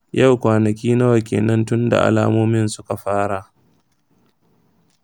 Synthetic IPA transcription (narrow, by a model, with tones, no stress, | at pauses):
ja˦˨wkʷaː˨nɐ˨kʲiː˦na˦wa˨kʲḛː˨nɐ˦ntʊ˦nda̰˨ʔa̰˨laː˦moː˦mɪ˦nsʊ˦ka˨ɸaː˦ɽa˨ʔ